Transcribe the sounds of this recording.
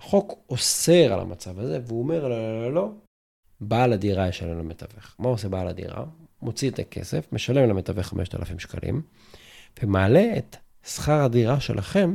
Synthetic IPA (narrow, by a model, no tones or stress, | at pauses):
χo̞koseʁa̰la̰mat͡savazeveuome̞ʁlolololo̞ | balad̪iʁajeʃalemlametaveχmauosebaːla̰dḭʁa̰mo̞t͡siet̪akʰe̞̰sefmeʃale̞mlamet̪aveχame̞ʃt̪a̰lafimʃka̰lʔḭm | v̥emaːle̞et̪ | sχaʁhadiʁaʃe̞lʔaχe̞m